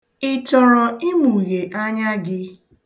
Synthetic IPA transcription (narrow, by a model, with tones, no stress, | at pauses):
ɪ˨t͡ʃɔ˨ɾɔ˨i˦mu˨ɣe˨ʔa˦ɲa˦ɡɪ˦